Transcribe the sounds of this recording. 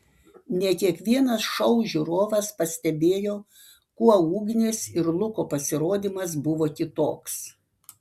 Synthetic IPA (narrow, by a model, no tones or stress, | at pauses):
nʲɛkʲiɛkʋʲiɛnɐsʃɐʊʒʲuɾoːʋɐspɐsʲt̪ʲɛbʲeːjoː | kuɔuːɡʲnʲeːsɪɾlˠʊkoːpɐsʲɪɾoːd̪ʲiːmɐs̬bʊʋoːk̪ʲɪt̪oːks